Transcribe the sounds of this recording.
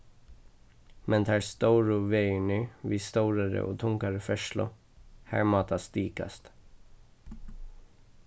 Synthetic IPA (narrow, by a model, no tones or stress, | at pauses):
mɛnt̪ʰæːɹst̪oʊɹʊʋeɪɳyːʋiːst̪oʊɾɑɾə̰ʔo̰ːt̪ʰʊŋkaɾəfœʃlʊ̰ | hæ̰ːɹmɑːt̪ɑst̪iːkɑ̰st̪